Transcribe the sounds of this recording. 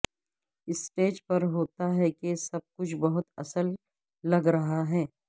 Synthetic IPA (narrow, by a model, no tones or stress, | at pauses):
ɪsʈeːd͡ʒpɐɾɦoːt̪aɦɛkesɐb̚kʊt͡ʃʰbɐɦʊt̪ɐsəlː | ɐɡɾɐɦaɦɛː